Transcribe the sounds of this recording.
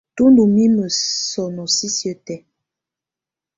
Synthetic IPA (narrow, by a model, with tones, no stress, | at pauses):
to˦ndu˨mi˦mə˨sɔ˨nɔ˨si˦sjə˦tɛ˦